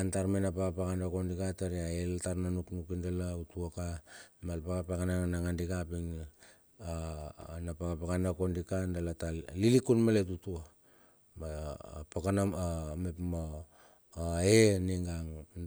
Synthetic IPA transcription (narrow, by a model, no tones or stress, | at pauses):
antaɾmanapakapakandakondikataɾiaeltaɾnanuknukindalautuakamalpakapakananaŋandikapiŋ | anapakapakanakondikandalatalilikunmalet̬utua | mapokanaamepmo | eniŋɡaŋ